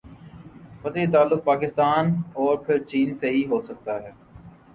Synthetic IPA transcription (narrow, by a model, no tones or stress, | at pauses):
fɐt̪et̪aːlːʊk̚paːkɪst̪aːnɔːɾpʰɪɾt͡ʃiːnseɦiɦoːsək̚t̪aɦɛː